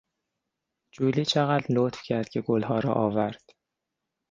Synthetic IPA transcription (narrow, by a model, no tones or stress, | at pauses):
d͡ʒulit͡ʃʰaʁatd̪lot̪fkʲʰat̪̚ɡʲaɡolˠhɒːɾɒ̰ʔɒːvaɾd̪̥